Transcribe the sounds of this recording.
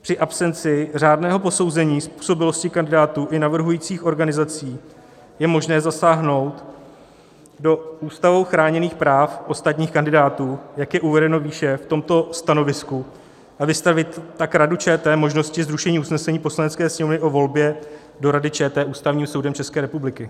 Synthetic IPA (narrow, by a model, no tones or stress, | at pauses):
pr̥ɪʔapsɛnt͡sɪr̝aːdnɛːɦo̞po̞so̞wzɛɲiːspu̥ːso̞bɪlo̞scɪkandɪdaːt̪uːʔɪnavr̩ɦujiːt͡siːxʔo̞ɾɡanɪzat͡siː | jɛmo̞ʒnɛːzasaːɦno̞wt̪ | do̞uːst̪avowxɾaːɲɛniːxpɾaːfʔo̞st̪at̪ɲiːxkandɪdaːt̪uːjakjɛʔuvɛdɛno̞viːʃɛft̪o̞mt̪o̞st̪ano̞vɪsku | ʔavɪst̪avɪt̪ːakɾadut͡ʃɛːt̪ɛːmo̞ʒno̞scɪzɾuʃɛɲiːusnɛsɛɲiːpo̞slanɛt͡skɛːsɲɛmovnɪʔo̞vo̞lbjɛ | do̞ɾadɪt͡ʃɛːt̪ɛːʔuːst̪avɲiːmso̞wdɛmt͡ʃɛskɛːɾɛpublɪkɪ